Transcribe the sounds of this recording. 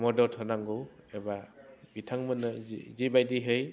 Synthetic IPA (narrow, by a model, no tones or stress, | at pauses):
mɔdɔtʰɔnaŋɡɯwebabitʰaŋmɯnɯ̰zibajdiɦɯj